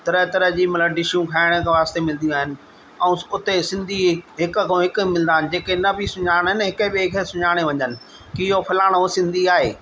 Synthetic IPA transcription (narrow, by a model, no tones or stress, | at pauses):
t̪ɐɾəɦt̪ɐɾəɦd͡ʑiːmɐləɖɪʃijũkʰaːɪɽ̃əkʰeʋaːst̪emɪl̃nd̪ijũaːɦɪnɪ̆ | ɛ̃ũʊt̪esɪ̃nd̪ʱiɦɪkkʰõɦɪkʊ̆mɪl̃nd̪aːɪnɪ̆d͡ʑeːkenɐbɪsʊɲaːɽ̃ɦɪnɦɪkəbeːkʰesʊɲaːɽ̃eʋɐ̃ɲənɪ̆ | kɪɦopʰɐlaːɽ̃õsɪ̃nd̪ʱiaːɦeː